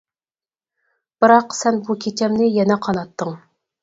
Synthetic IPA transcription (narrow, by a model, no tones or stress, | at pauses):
b̥ɨɾɑqsɛnbukʲʰet͡ʃʰɛmnɪjɛnɛqʰɑnɑt̪ːɨŋ